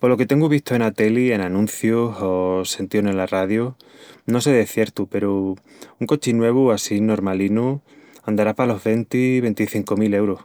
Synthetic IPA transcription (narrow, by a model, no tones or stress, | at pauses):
polo̞ket̪e̞ŋɡuβiht̪oe̞nat̪e̞lie̞nanũnθjoɦose̞nt̪ionenlaraðjo | no̞se̞ðe̞θje̞ɾt̪upe̞ɾo | uŋko̞t͡ʃinwe̞β̞uasino̞ɾmalinuand̪aɾapalo̞ɦβe̞nt̪iβe̞nt̪iθiŋko̞mile̞wɾoh